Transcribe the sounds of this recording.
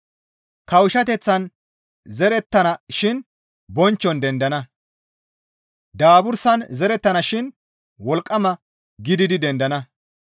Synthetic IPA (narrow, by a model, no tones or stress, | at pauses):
kɐwʃɐt̪ɛt͡sːɐn | zɛɾɛt̪ːɐnɐʃɪn | bɔnt͡ʃːɔnd̪ɛnd̪ɐnɐ | d̪aːbʊɾsɐnzɛɾɛt̪ːɐnɐʃɪn | wɔlkʼːɐmɐ | ɡɪd̪ɪd̪ɪd̪ɛnd̪ɐnɐ